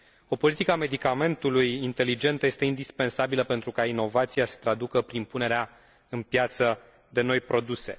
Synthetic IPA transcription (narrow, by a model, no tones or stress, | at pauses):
o̞po̞lit̪ikəame̞d̪ikame̞nt̪ulujint̪e̞lid͡ʒe̞nt̪əje̞st̪e̞ind̪ispe̞nsabiləpent̪ɾukaino̞vat̪sijasə̥t̪ɾad̪ukəpɾimpune̞ɾea | ɨnpjat̪sə | d̪e̞no̞jpɾo̞d̪use̞̰